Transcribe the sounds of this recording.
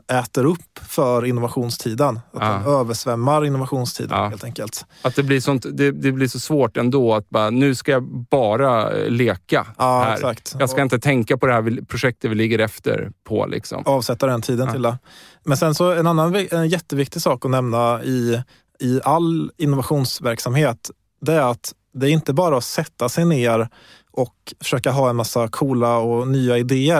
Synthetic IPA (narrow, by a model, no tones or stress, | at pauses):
ɛːt̪əɾɵpːfœɾɪnːʊvaɧuːnst̪ʰiːd̪ənat̪̚ɛnøːvəʂvɛmːaɾɪnːʊvaɧuːnst̪ʰḭːd̪əneːlt̪ɛŋkəlt̪at̪̚d̪ɛblɪʂɔnt̪d̪ɛd̪ɛblɪʂɔsvoːʈɛnd̪oːat̪̚bɑːɾanʉ̟ːskajabɑːɾaleːka̰ɑːæɛsakt̪jɑːɡskkaɪnt̪ət̪ʰɛŋkapʰɔd̪ɛhæɾvɪpʰɾʊɧɛk̚t̪ət̪vɪlɪɡːəɾɛft̪ə̰ɾpʰɔ̰lʔɪ̰ksɔ̰mɑːvsɛt̪ːad̪ɛnt̪ʰiːd̪ənʰɪld̪ɛmɛnsɛnsɔɛnanːanvɪɛnjɛt̪ːəvɪk̚t̪ɪsɑːkɔnɛmnaɪ | ɪalːɪnːʊvaɧuːnsvæɾksamheːt̪ | d̪ɛːɾat̪ | d̪ɛæɾɪnt̪əbɑːɾaɔsɛt̪ːasɛjneːɾ | ʔɔkfœ̥ʂøːkaɦɑːɛnmasːakʰuːlaɔnyːaɪd̪eːə